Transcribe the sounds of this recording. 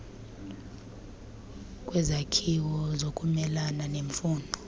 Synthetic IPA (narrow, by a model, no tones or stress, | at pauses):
kʼwɛzakʰiwɔzokʼumɛlananeɱfuːndʱɔ